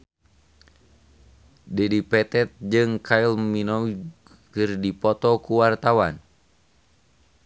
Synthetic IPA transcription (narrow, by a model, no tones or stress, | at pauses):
dɛdipɛt̪ɛt̪̚d͡ʒɨŋkʰailminɔw | kɨrdipɔt̪ɔkuwart̪awan